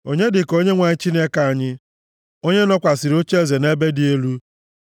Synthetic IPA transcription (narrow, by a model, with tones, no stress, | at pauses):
o̰˦ɲe˦dɪ˨ko˦ɲe˦ŋʷa˨ɲɪ˦t͡ʃi˦ne˦ka˨a˨ɲɪ˦ | o˦ɲe˦nɔ˦kʷa˨sɪ˨ɾo˦t͡ʃe˦˨ze˨ne˦be˦dɪ˨e˦lu˦